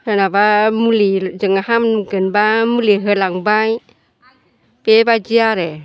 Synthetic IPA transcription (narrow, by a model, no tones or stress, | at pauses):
hənabamulid͡ʒəŋaɦamnukənbamuliɦəlaŋbaj | pebad͡ʒiaɾɛ